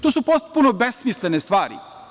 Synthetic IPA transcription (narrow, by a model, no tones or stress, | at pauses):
t̪osupot̪̚punobesmislɛnest̪ʋaːɾḭ